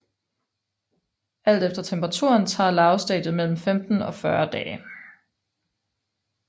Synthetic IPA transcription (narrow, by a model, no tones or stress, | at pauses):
ʔæl̰d̥efd̥ɐt͡sʰempʰʁɑ̈t͡sʰuːɐnt͡sʰɑ̰̈ːlɑ̈ʊsd̥ɛ̰ːd̥ð̩ˠmel̰m̩femd̥n̩ɒ̽fɶɐd̥ɛː